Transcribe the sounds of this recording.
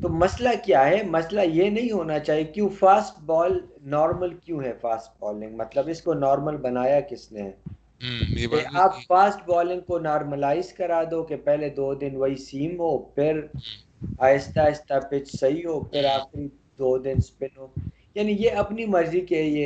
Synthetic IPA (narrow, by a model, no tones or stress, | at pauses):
t̪oːmɐslakjaːɦɛmɐslajenɐɦĩɦoːnat͡ʃaːɦijekjũːfaːsʈbɔːlnɔːɾməlkjũːɦɛfaːsʈ̚bɔːlɪ̃ŋɡmɐt̪ləbɪskonɔːɾməlbɐnaːjakɪsnḛ | eʔaːpfaːsʈbɔːlɪ̃ŋɡ̚konɔːɾməlaːɪzkɐɾaːd̪oːkepɛɦled̪oːd̪ɪnʋɐɦisiːmɦoːpʰɪɾ | aːɪst̪aːɪst̪apɪt͡ʃʰsɐɦiɦoːpʰɪɾaːxɪɾi | d̪oːd̪ɪnspɪnɦoː | jaːnijeɐpnimɐɾzikeieː